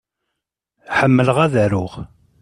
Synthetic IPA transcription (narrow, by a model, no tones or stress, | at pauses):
ħəmːələʁæðæɾʊʁ